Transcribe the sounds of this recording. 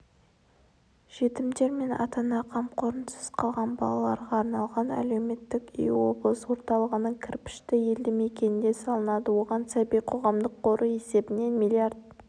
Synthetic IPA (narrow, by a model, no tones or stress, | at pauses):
ʒ̥e̞t̪ɪmd̪e̞ɾme̞nɑ̰t̪ɑnɑqʰɑmqʰo̞ɾənsə̥z̥qʰɑlˠʁɑnbɑ̰lˠɑlˠɑɾʁɑːɾnɑlˠʁɑnæ̰le̞wme̞t̪ːɪkḭjwo̞̰blˠəsəwo̞ɾt̪ɑlˠəʁənəɴkʲʰɪɾpɪ̥ʃt̪ɪje̞ld̪ɪme̞kʲe̞nɪnd̪e̞sɑlˠənɑd̪əwo̞ʁɑnsæbijqʰo̞ʁɑmd̪əqʰːo̞ɾʔue̞se̞bɪne̞nmilʲiard̪̚